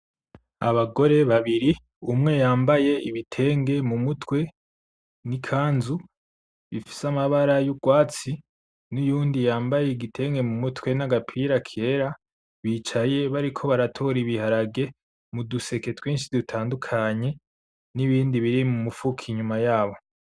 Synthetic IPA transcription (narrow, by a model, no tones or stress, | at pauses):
a̰βaɡo̞ɾe̞βaβiɾi | umŋe̞jaːmbaje̞iβitʰe̞ːŋɡe̞mumutwe̞ | nikʰaːnzu | βifi̥samaβaɾajuɡ̥waːt͡si | nujuːndijaːmbaje̞iɡitʰe̞ːŋɡe̞mumutwe̞naɡapʰiɾakʰe̞ɾa | βiːt͡ʃaje̞βaɾikʰo̞βaɾatʰo̞ɾiβihaɾaɡe̞ | muduse̞ke̞twiːnʃidutʰaːndukʰaɲe̞ | niβiːndiβiɾimumufukʰiɲumajaːβo̞